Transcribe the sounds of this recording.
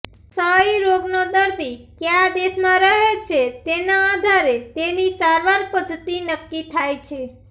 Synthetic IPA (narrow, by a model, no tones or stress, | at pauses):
səiɾoɡnod̪əɾd̪ikjãd̪esmãɾəɦet͡ʃʰet̪enãːd̪ʱaɾet̪enisaɾʋaɾpəd̪t̪inəkːit̪ʰajt͡ʃʰe